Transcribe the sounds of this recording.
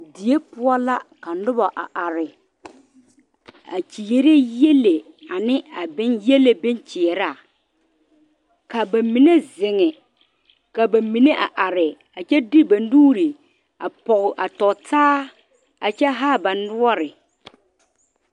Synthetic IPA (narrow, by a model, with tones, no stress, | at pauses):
di˨e˦pʊ˦ɔ˦la˦ka˨nʊ˦ba˨ʔa̰˨ʔa˨ɾɪ˨ | a̰˨t͡ʃi˨je˦ɾe˦jɛ˦le˨ | a˨nɪ˦a˨bɪ˦njɛ˦le˦bɪ˦nt͡ʃɪ˨ɛ˨ɾa˦˨ | ka˨ba˨mi˨ne˦zɪ˨ŋɛ˨ | ka˨ba˨mi˨ne˦ʔa̰˨ʔa˨ɾɪ˨ | a˨t͡ʃɛ˦di˦ba˨nduː˦ɾi˨ | a˨pɔ˨ɣʊ˨ʔa˨tɔ˨taː˦ | a˨t͡ʃɛ˦ɦaː˦ba˨nʊ˦ɔ˦ɾɪ˨